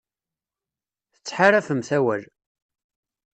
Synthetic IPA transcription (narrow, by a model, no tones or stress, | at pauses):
θə̥t͡sːħaɾæfəmθæwæl